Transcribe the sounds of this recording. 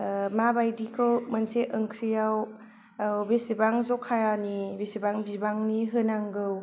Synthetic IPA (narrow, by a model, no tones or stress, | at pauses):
mabajdikʰɯwmənseʔəŋkʰɾijaw | besibaŋzɔkʰːaɾanibesibaŋbibaŋniɦɯnaŋɡɯw